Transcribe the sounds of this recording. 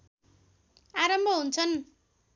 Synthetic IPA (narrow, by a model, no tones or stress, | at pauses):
aɾʌmbʱʌɦunt͡sʰʌn